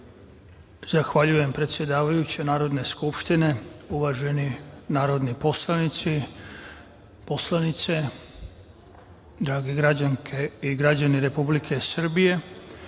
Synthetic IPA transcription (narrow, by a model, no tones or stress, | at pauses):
zaxʋaʎuje̞mpɾe̞t̪sje̞d̪aːʋajut͡ɕenaːɾo̞d̪ne̞skupʃt̪ine̞uʋaʒe̞ninaːɾo̞d̪nipo̞slˠanit̪si | po̞slˠanit̪se̞ | d̪ɾaːɡe̞ɡɾad͡ʑaŋkʰeiɡɾad͡ʑaniɾe̞publikʰe̞sr̩bije̞